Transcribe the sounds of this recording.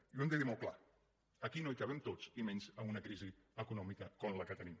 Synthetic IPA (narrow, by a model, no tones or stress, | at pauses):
iuɛmd̪əðimolˠkla̰ | əkinoikəβɛmt̪ot͡simɛnzəunəkɾiziəkunɔmikəkɔmləkət̪ənim